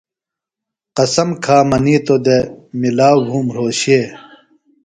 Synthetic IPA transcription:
qɐsɐmkʰaːmɐniːt̪od̪emilaːbʱuːmɾoːɕeː

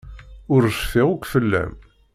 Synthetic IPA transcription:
ʊɾəsfɪʁukʷfəlːæ̰m

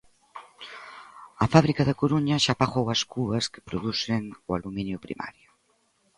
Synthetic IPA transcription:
ɐfaβɾikaðakoɾuɲɐʃapaɣowɐskuɐske̥pɾoðuseŋualumĩnjʊpɾḭma̰ɾjo

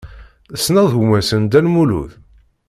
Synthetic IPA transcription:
əsːnɑðˤhmæsənd̪ælmulṵθ

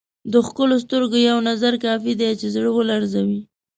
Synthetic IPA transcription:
d̪əxkəlos̬t̪əɾɡojawnazaɾkɑfid̪et͡ʃezɽəwəlaɾzawi

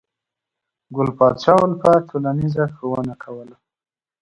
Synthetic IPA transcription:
ɡʊlpɑt̪ʃɑwəlpətʰolanizaxowənakʰawəla

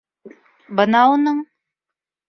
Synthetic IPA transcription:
bɤnɑunɤɴ

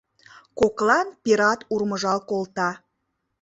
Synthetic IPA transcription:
koklɑnpiɾɑt̪urməʒɑlkolt̪ɑ

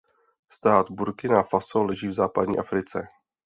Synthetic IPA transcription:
st̪aːd̪buɾkɪnafasolɛʒiːvzaːpadɲḭːʔafɾɪt͡sɛ

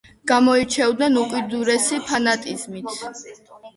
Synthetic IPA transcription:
ɡ̥amɔit͡ʃʰɛvd̪nɛnukʼwid̪uɾɛsipʰanat̪ʼizmit̪ʰ

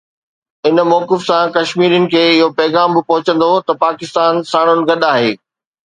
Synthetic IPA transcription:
ɪnmɔːkɪfsãkɐʃmiːɾijənɪ̆kʰeːɪɦopɐːɣaːmbɪpɔɦʊt͡ɕə̃nd̪ot̪ɐpaːkɪst̪aːnsaːɽ̃ʊnɪ̆ɡɐɗaːɦeː

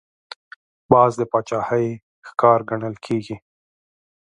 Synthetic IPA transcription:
bɑːzd̪əpɑt͡ʃɑhəj | xkɑɾɡaɳəlkʰeɡi

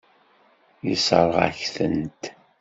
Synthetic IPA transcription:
jisə̰ɾˤʁa̰çθə̰nt̪

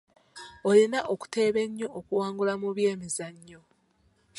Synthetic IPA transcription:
ojinaʔoku̥te̞ːβe̞ɲːo̞ʔːkuwaːŋɡulamuβje̞ːmizaɲːo̞

